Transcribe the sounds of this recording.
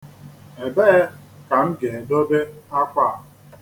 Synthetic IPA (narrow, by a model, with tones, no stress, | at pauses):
e˨be˦ | ka˨ŋ̩˦ɡe˨e˨dɔ˦de˦a˦kʷa˦˨